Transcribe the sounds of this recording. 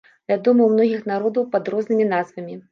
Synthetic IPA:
vʲad̪ɔmɐwmn̪ɔɣʲixnaɾɔd̪ɐwpɐd̪ɾɔznɨmʲinazvɐmʲi

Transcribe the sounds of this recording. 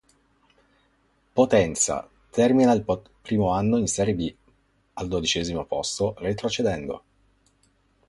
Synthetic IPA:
pot̪ɛnt̪sa̰ | t̪ʰɛrminail | pɾiːmoanːoinsɛːɾjebi | ald̪od̪it͡ʃɛːzimopost̪oret̪ɾot͡ʃed̪ɛnd̪o̰

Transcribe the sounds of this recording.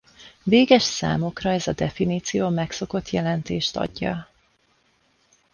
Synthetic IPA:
veːɡɛʃsa̰ːmokrɒɛzɒd̪ɛfiniːt̪sijoːmɛkso̞ko̞t̪jɛlɛnt̪eːʃt̪ɒ̰ɟːɒ̰

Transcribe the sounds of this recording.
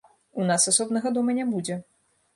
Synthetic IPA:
unasasɔbnɐɣɐd̪ɔmɐnʲɛbud͡zʲɛ

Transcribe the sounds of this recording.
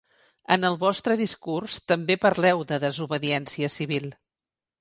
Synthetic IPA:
ə̰nəlˠβɔst̪ɾəðiskurst̪əmbepəɾlɛwðəðəzuβəðiɛnsiəsiβ̞ilˠ

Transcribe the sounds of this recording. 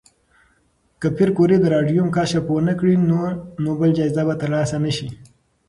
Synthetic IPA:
kəpʰiɾkoɾed̪əɾɑɖjumkaʃaponəkɽinoɾnobəld͡ʒɑizabat̪əɾlɑːsanəʃi

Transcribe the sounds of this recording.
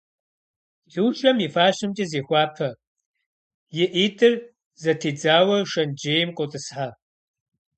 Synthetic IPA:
dɨwt͡ʃʼɐmifaːɕɨmt͡ʃʼɐzeːxʷɑːpʰɐ | jɪʔiːtʰʼɨr | zɐtʰiːd͡zaːwɐʂɐnd͡ʒeːjmqʷʼɔtʼɨsħa

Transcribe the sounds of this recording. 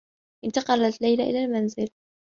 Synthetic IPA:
ʔɪnt̪ɑqɑlat̪lajlaʔɪ̰lalmanzɪl

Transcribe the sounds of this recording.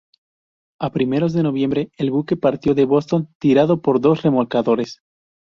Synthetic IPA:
apɾime̞ɾo̞zðe̞no̞β̞je̞mbɾe̞elβuke̞paɾt̪jo̞ðe̞βo̞st̪o̞nt̪iɾaðo̞po̞ɾðo̞sre̞mo̞lkaðo̞ɾe̞s

